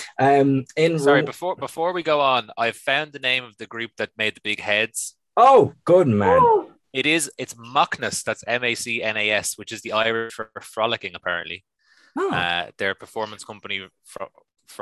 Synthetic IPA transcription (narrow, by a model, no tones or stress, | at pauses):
ʌmɪ̃nsɑɹibɪfɔːɹbɪfɔːɹwiɡoʊə̃na̰ɪv̥fãʊ̃nðənẽɪ̃mʌvðəɡɹʉp̚ðət̚meɪd̪̚ðəbɪɡ̥hɛdz̥ | oʊɡ̥ʊd̚mæ̃n | ɪɾɪzɪtsmɑknəsðætsɛ̃meɪsiːɛ̃neɪɛswɪt͡ʃɪzðiaɪɹɪʃfə˞fɹɑlˠəkɪ̃ŋəpʰa̰ɹə̰̃nʔlḭ | ʌ̰ðə˞pʰə˞fɔːɹmə̃nskʰʊ̃mpəni | f | f